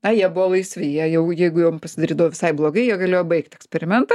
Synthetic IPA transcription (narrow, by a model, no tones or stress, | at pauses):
ɐjiɛbʊʋɔlˠɐɪsʲʋʲɪɪjiɛjɛʊjɛɪɡʊjoːmpɐsʲɪd̪ɐɾʲiːd̪ɐʋoːʋʲɪsɐɪblˠoːɡɐɪjiɛɡɐlʲeːjobɐɪkt̪ɛksʲpʲɛɾʲɪmʲɛnt̪ɐ